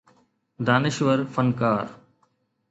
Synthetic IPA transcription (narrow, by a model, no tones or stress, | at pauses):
d̪aːnɪʃʋəɾfənkaːɾ